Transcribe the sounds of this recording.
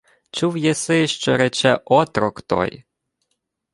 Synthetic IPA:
t͡ʃuwjɛsɪʃt͡ʃɔ̰ɾɛt͡ʃɛʔɔt̪ɾɔkt̪ɔ̰j

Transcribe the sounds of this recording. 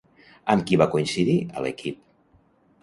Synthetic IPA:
əmkiβakuinsiðiə̰lə̰kʰip

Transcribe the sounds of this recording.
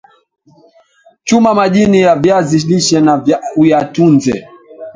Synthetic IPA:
t͡ʃumamaʄinijavjaziliʃɛnavaujatunzɛ̰

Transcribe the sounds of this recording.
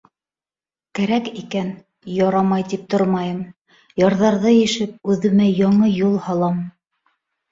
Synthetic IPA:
kæɾækikæn | jɑɾɑmɑjt̪ip̚t̪oɾmɑjɤm | jɑɾðɑɾðɤjɘ̆ʃɘp̚ʉðɘ̆mæjɑɴɤjulˠhɑlˠɑm

